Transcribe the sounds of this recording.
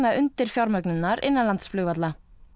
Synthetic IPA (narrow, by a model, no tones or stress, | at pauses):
maðʏnt̪ɪɾ̥fjawɾmœknʏnːaɾɪnːalant̪sflʏɣvat̪la